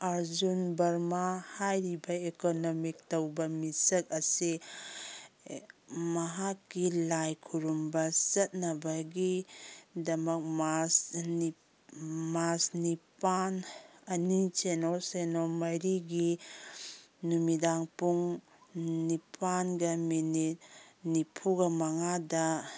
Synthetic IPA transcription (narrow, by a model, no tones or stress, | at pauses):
aɾzunbɐɾmahajɾibɐekonɔmik̚tɐwbɐmisɐk̚ɐse | mɐɦakːilajkʰuɾumbɐsɐt̚nɐbɐɡi | dɐmɐk̚mas | masnipanɐnit͡ʃenɔsenɔmajɾiɡi | numidaŋpuŋ | nipʰanɡɐminit̚nipʰuɡɐmaŋadɐ